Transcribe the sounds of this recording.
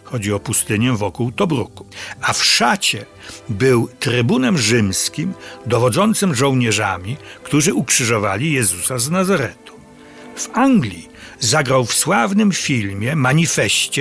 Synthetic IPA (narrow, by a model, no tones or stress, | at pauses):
xɔd͡ʑiɔpust̪ɘɲɛvɔkuwt̪ɔbɾṵku̥afʂat͡ɕɛ | bɘwt̪ɾɘbunɛmʐɘmskʲimd̪ɔvɔd̪zɔnt̪sɘmʐɔ̃wɲɛʐa̰mʲikt̪uʐɘʔukʂɘʐɔva̰lʲijɛzusaznazaɾɛt̪u̥ | v̥aŋɡlʲi | zaɡɾawfswavnɘmfʲilmʲjɛmaɲifɛɕt͡ɕɛ